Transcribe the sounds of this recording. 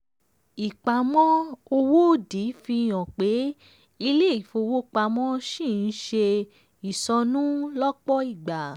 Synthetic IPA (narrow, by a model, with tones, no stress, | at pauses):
i˨k͡pa˨mɔ̃˦o˧wo˦˨di˨˦fi˧˨j̃ɔ̃˨k͡pe˨˦ | i˧le˦i˨fo˧wo˦k͡pa˧mɔ̃˦ʃĩ˦˨n̩˦ʃe˧ | i˨sɔ˧nũ˦lɔ˦k͡pɔ˦i˦˨ɡ͡ba˨